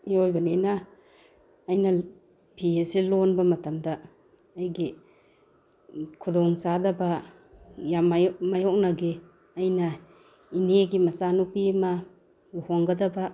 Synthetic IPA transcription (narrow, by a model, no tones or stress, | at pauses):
iojbɐnenaː | jnɐ | bʱiesilonbɐmɐtɐmdɐː | jɡi | kʰudɔŋsadɐbɐ | jamajmajɔk̚nɐɡi | ɐjnɐ | ineɡimɐsanupima | uhɔŋɡɐdɐba